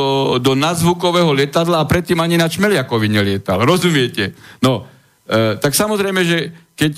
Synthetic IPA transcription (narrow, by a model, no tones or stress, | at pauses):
d̪ɔnazʋukɔʋɛːɦɔlɪɛt̪ad̪laːpɾɛt̪ːiːmaɲinat͡ʃmɛlɪakɔʋiɲɛlɪɛt̪alɾɔzumɪɛcɛnɔ | t̪aksamɔzɾɛjmɛʒɛkɛc